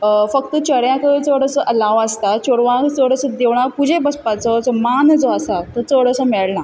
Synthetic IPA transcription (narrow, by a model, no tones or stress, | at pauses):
fək̚t̪ət͡ɕəɽjãkət͡səɽəsəʔəlaʋəst̪at͡ɕoɽʋãkt͡səɽəsəd̪eʋɳapud͡ʑʱebəspad͡zɔd͡zɔmand͡zɔasat̪ət͡səɽəsəmɛɭna